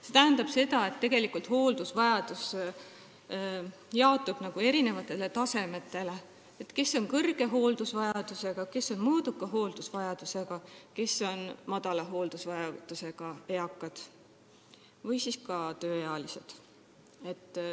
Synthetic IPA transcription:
se̞t̪æɦænd̪ɑb̥se̞d̪ɑe̞t̪ːe̞ɡ̥e̞likult̪ho̞ːld̪̥usvɑjɑd̪̥us | jɑot̪ːub̥nɑɡ̥ue̞ɾine̞vɑt̪ːˑe̞let̪ɑse̞me̞t̪ːˑe̞le | et̪ke̞sːo̞ŋkɤrɡ̥e̞ɦo̞ːld̪usvɑjɑd̪use̞ɡ̥ɑke̞so̞nmɤːd̪ukːˑɑɦo̞ːld̪̥usvɑjɑd̪̥use̞ɡ̥ɑke̞sːo̞nmɑd̪̥ɑlɑɦo̞ːld̪̥usvɑjɑd̪̥use̞ɡ̥ɑe̞ɑkːˑɑd̪̥ | vɯjsiskɑt̪øːjɑɑlise̞d̪̥ | e̞t̪ːˑ

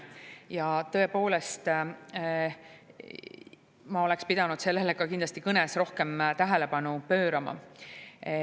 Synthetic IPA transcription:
jɑt̪ɤ̞e̞po̞ːle̞st̪ | mɑo̞le̞kspid̪̥ɑnud̪̥se̞lːe̞lekɑkind̪lɑst̪ikɤnɛsro̞hke̞mt̪æɦele̞pɑnupø̞ːɾɑmɑ̰

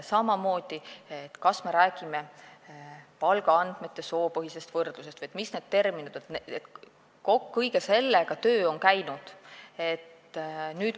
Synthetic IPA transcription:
sɑmɑmo̞ːd̪̥iet̪kɑsme̞ɾæːɡ̥ime̞ | pɑlɡɑɑnd̪̥me̞t̪ːˑe̞so̞ːpɤɦise̞st̪vɤrd̪̥lusest̪vɨjet̪misne̞ːd̪̥̚t̪e̞rminud̪̥et̪net̪ | kokːɤjɡ̥e̞se̞lːeɡ̥ɑt̪øːo̞nkæjnud̪̥e̞t̪ː | nyːt̪

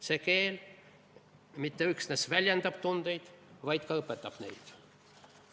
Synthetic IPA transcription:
sekeːl | mit̪ːeyksnesvælʲjend̪ɑb̥t̪und̪̥e̞jd̪̥vɑjd̪̥kɑɤpːˑet̪ːˑɑb̥ne̞̰jd̪̥

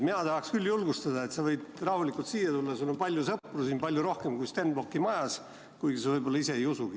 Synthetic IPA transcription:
minɑt̪ɑhɑkskylːjulɡ̥ust̪ɑd̪ɑet̪sɑvɤjd̪rɑhulikːˑult̪siːjːɑt̪ulːɑsulːompɑlʲjusɤpːˑrusiːnpɑlʲjuɾo̞hke̞mkujst̪end̪bokːˑimɑjɑs | kujɡ̥isevɤjbo̞lːɑise̞ejusuɡi

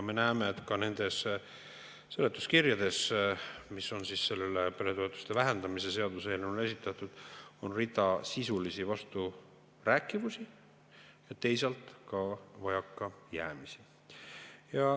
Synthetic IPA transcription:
me̞næːmeːt̪ˑkɑne̞nd̪̥e̞s | sɤlːet̪ːˑuskirjɑd̪̥e̞s | misːo̞nsisːe̞lːelepe̞ɾe̞t̪o̞et̪ːˑu̥st̪e̞væɦe̞nd̪ɑmise̞se̞ɑd̪uselmule̞sit̪ːˑɑt̪ːˑud̪̥o̞nrit̪ˑɑsisulisivɑst̪u | ræːkːˑivusi | jɑt̪e̞js̬ɑlt̪ˑkɑvɑjɑkːɑjæːmisi | jɑ

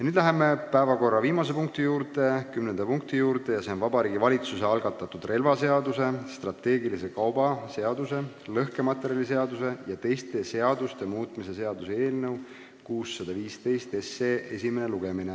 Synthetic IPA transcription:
jɑnyːd̪læɦe̞me̞pæevɑko̞rːɑviːmɑse̞puŋk̚t̪ijuːɾt̪e̞kymnend̪̥ɑpuŋk̚t̪ijuːɾt̪e̞jɑseo̞nvɑbɑɾiːɡivɑlit̪suse̞ɑlɡ̥ɑt̪ːˑɑt̪ːˑud̪̥re̞lvɑse̞ɑd̪use̞st̪rɑt̪ːe̞ːɡilise̞kɑwbɑse̞ɑd̪̥use̞ | lɤhke̞mɑt̪ːˑeɾijɑlise̞ɑd̪use̞jɑt̪e̞jst̪e̞se̞ɑd̪̥ust̪e̞muːt̪ˑmise̞seɑd̪̥useeːlnɤw | kuːsːɑd̪̥ɑviːst̪e̞jst̪esːeːe̞simeneluɡ̥e̞mine

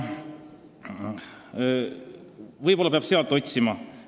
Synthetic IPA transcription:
vɤjbo̞lːɑpeɑb̥seɑlt̪ːˑo̞t̪ʲsimɑ

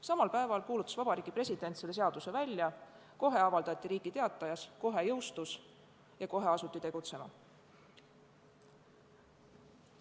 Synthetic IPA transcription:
sɑmɑlpæe̞vɑlkuːlut̪ːˑɑ̥svɑb̥ɑɾiːɡ̥ipre̞sʲid̪̥e̞nt̪seleseɑd̪̥use̞vælʲjɑ | ko̞ɦe̞ɑvɑld̪ɑt̪ʲˑːiɾiːɡ̥it̪e̞ɑt̪ːˑɑjɑsko̞ɦe̞jɤwst̪us | jɑko̞ɦe̞ɑsut̪ːˑit̪e̞ɡ̥ut̪se̞mɑ

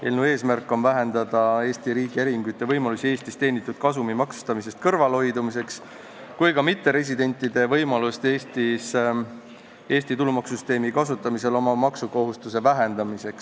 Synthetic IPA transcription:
eːlnue̞ːsmærkːˑo̞nvæɦe̞nd̪̥ɑd̪̥ɑe̞ːst̪iɾiːɡ̥ieɾiŋɡ̥ujt̪ˑːe̞vɤjmɑlusie̞ːst̪ist̪e̞ːnit̪ːˑud̪̥̚kɑsumimɑksu̥st̪ɑmise̞st̪kɤrvɑlho̞jd̪umis̬e̞ks | kujkɑmit̪ːe̞ɾe̞s̬ʲid̪e̞nʲt̪ːˑid̪e̞vɤjmɑlust̪eːst̪is | e̞ːst̪it̪ulumɑksyst̪e̞ːmikɑsut̪ˑːɑmise̞lo̞mɑmɑksuko̞ɦust̪use̞væɦend̪̥ɑmise̞ks

